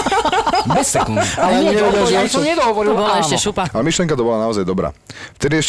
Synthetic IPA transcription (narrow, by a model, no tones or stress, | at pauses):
bɛsːɛkunalɛɲɛɲɛɔd̪aasɔmɲɛd̪ɔɦɔʋɔɾilbɔlɛʃɛʃupaalɛmiʃlijɛŋkat̪ɔbɔlanaɔzajd̪ɔbɾa̰ːft̪ɛd̪iɛʃ